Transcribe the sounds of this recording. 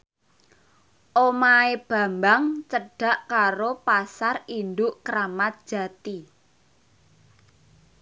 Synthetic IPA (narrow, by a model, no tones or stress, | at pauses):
ʔomaeb̥a̤mbaŋt͡ʃəɖ̥ä̤ʔkaɾopasarind̪ʊʔkɾamat̪̚d̥ʒ̥a̤t̪i